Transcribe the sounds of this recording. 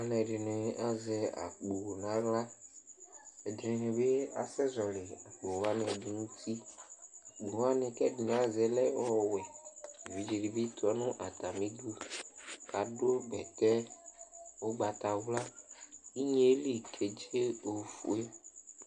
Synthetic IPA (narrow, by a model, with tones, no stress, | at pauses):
a˨˦nɛ̃˨ɖe˨nẽ˨˦ʔa˨zɛ˨a̰˨k͡po˨wnã˦ɣla˦ | e˨d̪ɾĩ˨nẽ˨be˦a̰˨sɛ˦zɔ˨le˨a˨k͡po˨wa˦nɛ̃˨de˨ŋũ˦t̪ʰi˦a˨k͡po˨wa˦nẽ˨kɛ˦di˨n˨a˦zɛ˨lɛ˦ɔ˦˨wɛ˨vi˨d͡ʒe˨ɖi˨bi˦t̪ɔ˨˦nũ˦ʔa˨t̪a˨mĩ˦du˦ | ka˨ɖo˦ɡ͡bɛ˨t̪ɛ˦ | wo˦ɡ͡ba˨t̪a˨wu˦la˦i˦ɲe˦li˨kʰe˨d͡ʒe˦o˨fu˨e˦